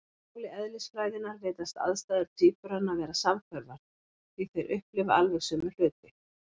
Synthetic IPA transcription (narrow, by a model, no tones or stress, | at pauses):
ulɪɛðlɪsfɾaːjðɪnaɾveːjt̪ast̪a̰ðst̪aːjðʏɾ̥t̪ʰiːpʏɾanːavɛːɾasamkʰvœɾvaɾ̥ | θiθejɾʔʏhplɪvaalvɛɣsʏːmʏl̥ʏːt̪ɪ